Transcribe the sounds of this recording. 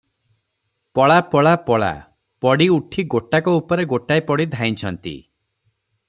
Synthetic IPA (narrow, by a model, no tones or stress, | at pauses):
pɔɭapɔɭapɔɭa̰ | pɔɽiuʈʰiɡoʈakɔupɔɾeɡoʈajpɔɽid̪ʱaĩt͡ʃʰɔnt̪ḭ